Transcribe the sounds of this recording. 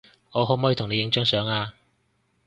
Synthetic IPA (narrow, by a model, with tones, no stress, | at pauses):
ŋɔː˨˧ɦo˨˥mɔː˨˥ji˧t̪ʰʊ˨˩ŋne˨˧jɪ˨˧ŋt͡sœː˨˥ŋsœː˨˥ŋaː˧